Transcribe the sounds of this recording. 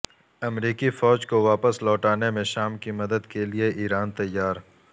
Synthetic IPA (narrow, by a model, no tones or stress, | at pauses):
ɐmɾiːkifɔːd͡ʒkoʋaːpəslɔːʈaːnemẽʃaːmkimɐd̪əd̪kelieʔiːɾaːnt̪ɐjːaːɾ